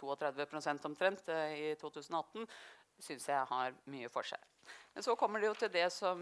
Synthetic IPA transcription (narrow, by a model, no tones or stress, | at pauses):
t̪ʰuːɔt̪ʰɾɛd̪ʋəpʰɾʊsɛnt̪ɔmt̪ʰɾɛnt̪ɪt̪ʰuːt̪ʰʉːsənɔɑt̪ːən̩ | sʏnsjæɪhɑɾmyːəfɔ̰ʂæ̰ɪ | mɛnsɔkʰɔmːəɖɛjʊt̪ʰɪld̪ɛsɔm